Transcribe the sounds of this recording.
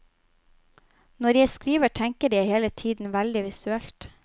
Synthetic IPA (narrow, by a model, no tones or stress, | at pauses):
nɔɾjæɪskɾiːʋəʈʰæŋkəɾjæɪheːlət̪ʰiːd̪n̩ʋæld̪ɪʋɪsʉɛlt̪